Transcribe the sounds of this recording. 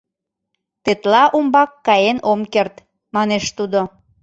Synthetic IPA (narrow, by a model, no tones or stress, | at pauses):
t̪et̪lɑʔumbɑkːɑjenomkert̪ | mɑneʃt̪ud̪o